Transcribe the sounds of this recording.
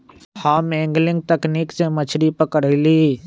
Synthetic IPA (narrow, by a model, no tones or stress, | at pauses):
hamẽːŋɡlɪ̃ŋɡ̚t̪ɐkniːksemət͡ʃʰɾipəkəɽli